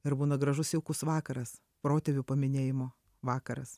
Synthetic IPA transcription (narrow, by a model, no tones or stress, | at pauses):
ɪɾbuːnɐɡɾɐʒʊsɛʊkʊsʋɑːkɐɾɐs | pɾoːt̪ʲɛʋʲʊpɐmʲɪnʲeːjɪmoː | ʋɑːkɐɾɐs